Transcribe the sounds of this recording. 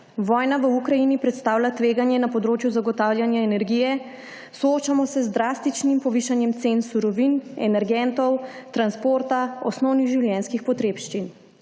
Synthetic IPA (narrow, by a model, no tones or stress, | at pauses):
ʋɔːjnaʋəukɾajinipɾɛt̪st̪aːwlʲjat̪ʋeːɡanjɛnapɔd̪ɾoːt͡ʃjuzaɡɔt̪aːwlʲjanjaɛnɛɾɡijɛ | sɔot͡ʃamɔsɛzd̪ɾaːst̪it͡ʃnimpɔʋiːʃanjɛmt̪sensuɾɔʋinɛ̰nɛɾɡɛnt̪ɔwt̪ɾanspoːɾt̪aɔsnɔwniɣʒiwljɛnskixpɔt̪ɾeːpʃt͡ʃin